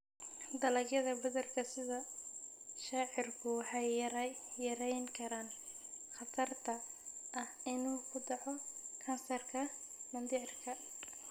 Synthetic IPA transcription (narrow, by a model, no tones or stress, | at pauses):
d̪ɐlɐɡjɐðɐbɐðɐrkʰɐsɪðɐ | ʃaːʕɪrkʰʊwħɛjjɐɾɛjŋkʰɐɾaːn | χɑt̪ʰɐrt̪ʰɐʔɐhɪnuːkʰʊd̪ɑʕɔkʰɐnsɐrkʰɐ | mɐnd̪ɪʕrkʰɐ